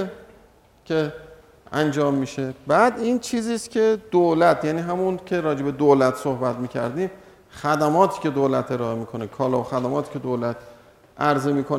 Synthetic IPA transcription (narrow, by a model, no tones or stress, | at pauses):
cʰe̞ | ænd͡ʒɒːmːiːʃe̞bæːd̪iːnt͡ʃʰiːziːst̪cʲʰe̞d̪̥olæt̪ʰjæːniːɦæmuncʰe̞ɾɒːd͡ʒe̞be̞d̪oːlæt̪ʰsohbæt̪miːcʰæ̰ɾd̪iːm | xæd̪æmɒːt̪ʰiːce̞d̪oːlæt̪ʰe̞ɾɒːemiːkʰo̞nekʰɒːlɒːoxæd̪æmɒːt̪ʰiːcʰe̞d̪oːlæt̪ʰ | æɾzemiːkʰon